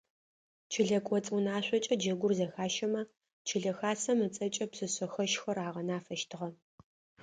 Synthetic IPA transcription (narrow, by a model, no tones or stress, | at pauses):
t͡ʃʰɪɮɐkʷʼɔt͡sʼunaːɕʷɔt͡ʃʼɐd͡ʒɐɡʷʊrzɐxaːʃɐmɐ | t͡ʃʰɪɮɐxaːsɐmɨt͡sʼɐt͡ʃʼɐpsɨɕɐxɐʃxɐraːʁɐnaːfɐʃtʰɨʁɐ